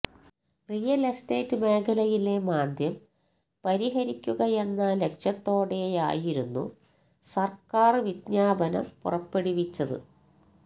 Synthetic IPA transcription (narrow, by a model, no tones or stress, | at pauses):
rijɐleste̞ːtːɨme̞ːkʰɐlɐjile̞maːd̪ʱjɐm | pɐɾiɦɐɾikʲːuɣɐe̞nːɐːlːe̞kʂɐt̪ːo̞ːɽeja̰ːjiɾunːṵ | sɐrkaːrʋidɲaːbɐnɐ̰mpurɐpːe̞ɽiʋit͡ɕːɐðɨ̰